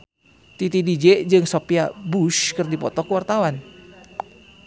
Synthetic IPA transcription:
t̪it̪idid͡ʒed͡ʒɨŋsopiabuskɨrdipɔt̪ɔkəwart̪awan

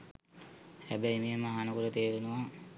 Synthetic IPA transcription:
hæbɛjmiɦeməɦanukuɾət̪eːɾunuʋa

